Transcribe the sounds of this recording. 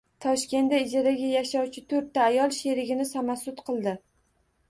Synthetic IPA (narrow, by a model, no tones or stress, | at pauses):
t̪ʰɒʃkʲe̞nd̪aɪd͡ʒaɾaɡʲajaʃɒwt͡ʃʰɪt̪ʰɵɾt̪ːaːjɒlˠʃeɾɪɡʲɪnɪsamasʊt̪qʰɨlˠd̪ɪ